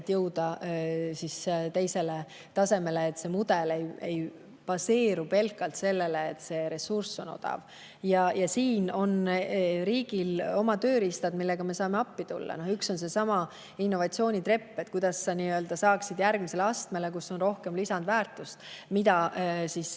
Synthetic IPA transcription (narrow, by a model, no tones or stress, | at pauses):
t̪ːjɤwd̪ɑsist̪e̞jse̞le̞ | t̪ɑse̞me̞leːt̪ːˑse̞mud̪ele̞je̞j | pɑse̞ːɾupe̞lkːˑɑlt̪se̞lːe̞leːt̪ːse̞ɾe̞sursːo̞no̞̰d̪̥ɑ̰v | jɑjɑsiːno̞nɾiːɡ̥ilo̞mɑt̪ø̞ːɾist̪ɑd̪milːe̞ɡ̥ɑme̞sɑːme̞ɑpːit̪ṵlːɑ̰no̞hykso̞nse̞sɑmɑ | inːo̞vɑt̪sio̞ːnʲit̪re̞pːe̞t̪̚kujd̪̥ɑsːɑniːø̞ld̪̥ɑsɑːksid̪jærɡmise̞leɑst̪me̞lekuso̞nro̞hke̞mlisɑnd̪væːrt̪ˑust̪mid̪ɑsis